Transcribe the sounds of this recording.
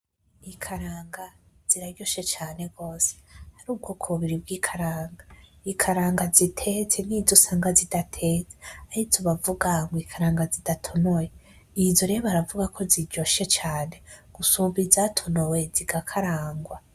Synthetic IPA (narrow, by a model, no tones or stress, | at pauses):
ikʰaɾaːŋɡa | z̥iɾaɟo̞ʃe̞t͡ʃaːne̞ɡo̞ːse̥haɾuːb̚ɡokʰoβiɾib̚ɡiːkʰaɾaːŋɡa | ikʰaɾaːŋɡazitʰet͡senizosaːŋɡazidatʰet͡seahizoβavuɡaŋɡwikʰaɾaːŋɡazidatʰonowe | izoɾeβaɾavuɡakʰo̞ziɟo̞ʃe̞t͡ʃaːne̞ɡ̥usumbizaːtʰonowe̞ziɡ̥akʰaɾaːŋɡwa